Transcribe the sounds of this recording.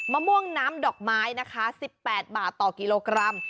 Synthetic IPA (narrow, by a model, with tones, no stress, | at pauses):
maː˧mu˥˩əŋnaː˦˥mdɔː˨˩k̚maː˦˥jna˦˥kʰa˦˥si˨˩pːɛː˨˩t̪̚baː˨˩t̪ːɔː˨˩ki˧loː˧kɾa˧m